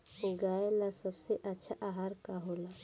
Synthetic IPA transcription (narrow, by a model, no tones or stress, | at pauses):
ʊɡaːelasəbseʔɐtːʃʰaʔaɦaːɾkaɦoːla